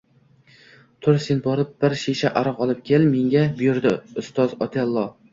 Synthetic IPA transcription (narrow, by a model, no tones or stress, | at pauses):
t̪ʰʊɾsenbɒɾɪp̚b̥ɪɾʃeʃaʔaɾɑqɒlˠɪp̚kʲʰelmeŋɡʲabʊjʊɾd̪ɪʊst̪ɒzɒt̪ʰelˠːɒ